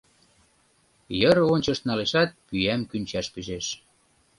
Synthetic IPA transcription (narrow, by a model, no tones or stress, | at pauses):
jəɾonʲt͡ɕəʃt̪nɑleʃɑt̪̚pyæmkynʲt͡ɕæʃpyʒeʃ